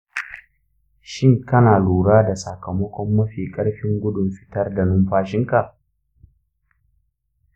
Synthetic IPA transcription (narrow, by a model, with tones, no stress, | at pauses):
ʃɪ˦ŋkɐ˦naː˨luː˨ɽaː˦da˨sɐ˨kɐ˨mɐ˦kʷɔ˦mːɐ˦ɸiː˨kʼɐ˦ɽɸɪ˦ŋɡʷʊ˦dʊ˨mɸɪ̥˦tɐ˦rda˨nʊ˦mɸaː˦ʃɪ˦ŋka˨ʔ